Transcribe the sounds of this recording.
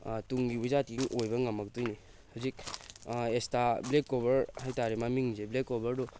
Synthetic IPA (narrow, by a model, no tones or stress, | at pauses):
tuŋɡibuzat̚kiŋʔojbɐŋɐmɐk̚tujni | hazik̚ | establekːobɐɾhajtaɾemamiŋzeblekːobɐɾdu